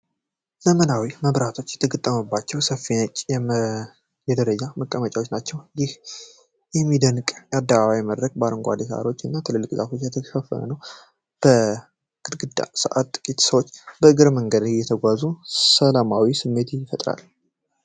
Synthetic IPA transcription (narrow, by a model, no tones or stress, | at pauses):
zəmənawiməβɾat̪ʰo̞t͡ʃːjɛt̪ʰəɡət̪ʼːəməbːat͡ʃːɛwsəfinət͡ʃʼ | jɛd̪əɾəd͡ʒaməkʼːəmət͡ʃʼawo̞t͡ʃːnat͡ʃːɛwjɪh | jɛmːid̪ənkʼjad̪ːəβaβajməd̪ɾək̚baɾɨŋɡʷa̰d̪isʔa̰ɾo̞t͡ʃːɨnːat̪ʰɨlɨlːɨkʼza̰fo̞t͡ʃːjɛt̪ʰəʃəfːə̰nə̰nəw | b̥ə | ɡ̥ɨd̪ɡɨd̪asəʔat̪ːʼɨ̥kʼit̪səwot͡ʃːbəɨɡɨɾməŋɡəd̪jːɛt̪ʰəɡʷazusəlamawisɨmːe̞t̪fət̪ʼɾa̰l